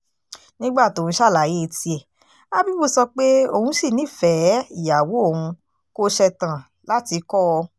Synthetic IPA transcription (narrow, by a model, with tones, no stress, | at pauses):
nĩ˦ɡ͡ba˦˨to˨ũ˧ʃa˦˨la˨je˦˧˨ti˧ɛ˨ | a˦bi˦bu˦˨sɔ˧k͡pe˦o˦˧hũ˧˦si˦˨nĩ˨˦˨fɛ˨˦i˦˨ja˨wo˨˦o˦˨hũ˧ | ko˦ʃɛ˧tã˨ | la˦ti˧kɔ˦˧